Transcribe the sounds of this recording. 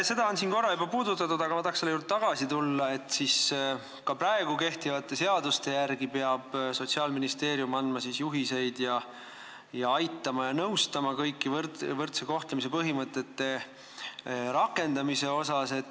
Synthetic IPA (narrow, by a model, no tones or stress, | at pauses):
se̞d̪ɑonsiːnko̞rːɑubɑpuːd̪ut̪ːˑɑt̪ud̪ɑɡɑmɑt̪ɑːkseleuːrd̪̥̚t̪ɑɡ̥ɑsit̪ulːɑe̞t̪ːˑsis | kɑpɾɑe̞ɡ̥uke̞ht̪ivɑt̪ːˑe̞se̞ɑd̪ust̪e̞jærɡipeɑb̥so̞t̪siɑːlminist̪e̞ːɾjumɑnd̪̥mɑsisjuɦise̞jd̪̥jɑ | jɑɑjt̪ːˑɑmɑjɑnɤwst̪ɑmɑkɤjkːivrt̪vɤrt̪seko̞ht̪lemis̬e̞pɤɦimɤt̪ːˑe̞t̪ːe̞ | ɾɑkːˑe̞nd̪ɑmise̞o̞sɑse̞t̪